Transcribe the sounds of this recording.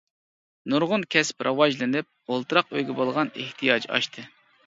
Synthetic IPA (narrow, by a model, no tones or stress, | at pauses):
nuɾʁʊnkʲʰɛsɪ̥pɾʔɑwɑʒlɨnɪp̚olˠt̪ʰɨɾɑqøjɡʲɛbolˠʁɑnḛht̪ʰijɑd͡ʒɑ̰ʃt̪ʰɨ